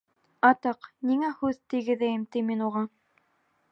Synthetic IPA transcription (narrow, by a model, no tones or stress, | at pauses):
ɑt̪ɤqniŋæhʉðt̪iɡɘ̆ðæjɘmt̪iminuʁɑ